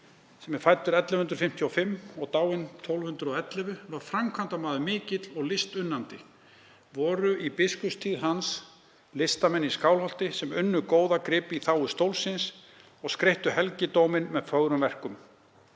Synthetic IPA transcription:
sɛmːɛ̥faːjt̪ʏɾɛt̪lɪhʏnt̪ɾʏ̥fɪm̥t̪ʰjɔfɪmːɔɣt̪aːwɪnt̪ʰɔwlvhʏnt̪ɾʏɔɛt̪lɛvʏvaɾ̥fɾamkʰvant̪amaːðʏmɪːcɪt̪lɔɣlɪst̪ʏnːant̪ɪ | vɔːɾʏipɪskʏpst̪ʰiːðɦans | lɪst̪amɛnːiskaːwlhɔl̥t̪ɪsɛmʏnːʏkoːwðakɾɪːpiθaːwʏst̪owlsɪns | ɔɣskɾeht̪ʏɦɛlcɪt̪owmɪnmɛðfœɣɾʏmvɛr̥kʏm

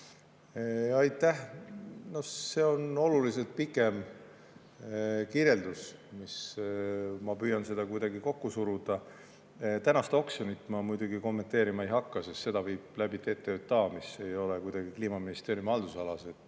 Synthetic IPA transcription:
ɑjt̪ːˑæhno̞hse̞o̞no̞lulise̞lt̪̚pikːˑe̞m | kiɾje̞ld̪usmis | mɑpyːjɑnse̞d̪̥ɑkujd̪ɑɡiko̞kːusuɾud̪̥ɑ | t̪ænɑst̪o̞ksjonit̪ːˑmɑmujd̪̥uɡiko̞mːe̞nt̪e̞ːɾimɑejɦɑkːɑsest̪se̞d̪̥ɑvɤjb̥̚læb̥it̪et̪ːˑeøt̪̚t̪ːɑːmise̞jo̞lekujd̪̥ɑɡ̥ikliːmɑminist̪eːɾjumɑld̪̥usɑlɑse̞t̪

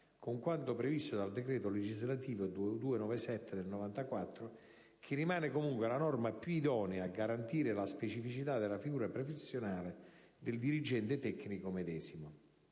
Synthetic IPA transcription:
kʊŋkwant̪ʊpɾevist̪ʊd̪ald̪ekɾɛːt̪oled͡ʒizlat̪iːvod̪ud̪uːenɔvesɛt̪ːɪd̪elnovant̪akwat̪ːɾʊ | k̟ʰirːimaːnɪkomuŋkwɪalanɔrmapjuid̪ɔːneaːɡːaɾant̪iːɾɪlaspet͡ʃifit͡ʃit̪ad̪elafiɡuːɾapɾofesːjonaːlɪ | d̪ɪld̪iɾid͡ʒɛnt̪ɪt̪ɛkːnikʊmed̪ɛːzimʊ

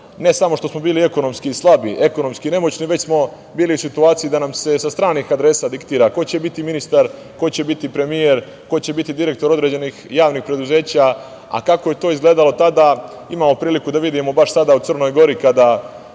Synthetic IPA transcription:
ne̞samo̞ʃt̪o̞smo̞biːlie̞ko̞no̞mskiːslˠabḭʔe̞ko̞no̞mskine̞mo̞t͡ɕniʋe̞t͡ɕsmo̞ | biːliusit̪uaːt̪sijid̪anamse̞sast̪ɾaːnixad̪ɾe̞saːd̪ikt̪iːɾako̞t͡ɕe̞bit̪iminist̪aɾ | ko̞t͡ɕe̞bit̪ipɾe̞mijeɾ | ko̞t͡ɕe̞bit̪id̪iɾe̞kt̪o̞ɾo̞d̪ɾe̞d͡ʑenixjaːʋniːxpɾe̞d̪uze̞ːt͡ɕa | a̰kako̞jet̪o̞ːizɡle̞ːd̪alo̞t̪ad̪a | imaːmo̞pɾiːlikud̪aʋid̪imo̞baʃsad̪aut̪r̩no̞jɡo̞ɾikad̪a

